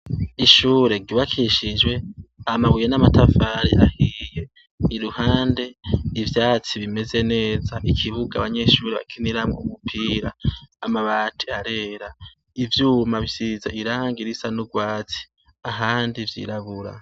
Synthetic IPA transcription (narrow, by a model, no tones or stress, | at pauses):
iʃuːɾe̞ɡiβakʰiʃid͡ʒwe̞amaβujenamatʰafaːɾiʔahije̞ | iɾuhaːnde̞ivjaːt͡siβime̞ze̞ne̞ːzaʔikʰiβuɡaβaɲe̞ʃuːɾeβa̰kʰiniɾamŋo̰umupʰiːɾaamaβaːtʰi̥aɾe̞ːɾa | ivjuːmaβisizaʔiɾaːŋɡiɾisanuɡwaːt͡si̥ | aɦaːndivjḭɾaβuɾa̰